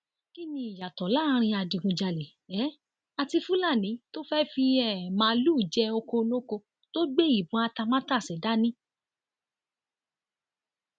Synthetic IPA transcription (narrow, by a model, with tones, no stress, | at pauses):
ki˦nĩ˧i˨ja˨tɔ˨˦la˦ɾ̃ĩ˧a˧di˨ɡũ˨d͡ʒa˨le˨ | ɛ˨˦ | a˧ti˧fu˦la˦˨nĩ˨˦to˦fɛ˦fi˧ɛ˨mãː˨˦lu˦˨d͡ʒɛ˧˦o˧ko˧lõ˦ko˧ | to˦ɡ͡be˦i˦˨bũ˨˦a˧ta˧mã˦ta˦˨sɛ˨da˦nĩ˦